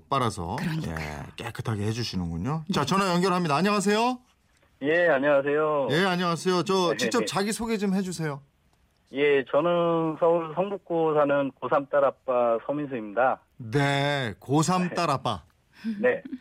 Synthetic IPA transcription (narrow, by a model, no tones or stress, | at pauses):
p͈aɾasʰʌ̰jḛk͈ekʰɯ̥tʰaɡeɦe̞d͡ʑuɕʰinɯnɡuɲot͡ɕat͡ɕʌnajʌŋɡjʌɾɭɦamɲidaːɲʌŋas̬ʰe̞jo | je̞aɲʌŋas̬ʰe̞joje̞aɲʌŋasʰe̞jot͡ɕʌt͡ɕik̚t͡ɕ͈ʌt͡ɕaɡisʰoɡed͡ʑomɦe̞d͡ʑusʰe̞jo | je̞t͡ɕʌnɯnsʰʌuɭsʰʌŋbuk̚k͈osʰanɯnkosʰamt͈aɾap͈asʰʌmins̬ʰɯimɲida | ne̞kos̬ʰam͈aɾap͈a̰ | ne